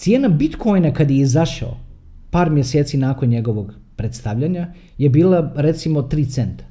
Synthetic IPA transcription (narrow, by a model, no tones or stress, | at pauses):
t̪sje̞ːnabit̪kʰo̞jnakad̪jeizaʃa̰o̰ | paːɾmjeseːt̪sinaːko̞nɲe̞ɡo̞ʋoɡ | pɾet̪st̪aʋʎaɲa | je̞biːlˠaɾe̞t̪simo̞t̪ɾiːt̪se̞nt̪ḁ